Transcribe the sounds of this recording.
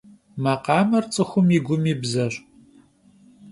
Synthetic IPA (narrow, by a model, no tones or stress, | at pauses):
mɐqɑːmɐrt͡sʼɨxʷʊmiːɡʷʊmiːbzɐɕʼ